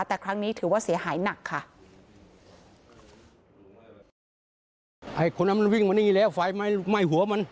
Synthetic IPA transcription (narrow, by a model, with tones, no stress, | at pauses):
t̪ɛː˨˩kʰɾa˦˥ŋniː˦˥t̪ʰɯː˩˦waː˥˩si˩˦ɐhaː˩˦jna˨˩kʰːa˥˩ | ʔa˧˩kʰo˧nʔa˧˥˩m˧nwi˧˩ŋma˧ni˧i˧˩lɛː˦˥˩wfa˧˩jma˧˥ma˧˩jɦu˨˦ɐma˧˦n